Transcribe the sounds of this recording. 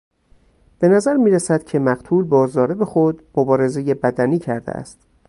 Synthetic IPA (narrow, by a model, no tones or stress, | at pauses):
b̥e̞næzæɾmiːɾæsæd̪̥cʰe̞mæɢt̪ʰuːlbɒːzɒːɾe̞be̞xod̪mobɒːɾe̞ze̞jebæd̪æniːcʰæɾd̪ḛʔæ̰st̪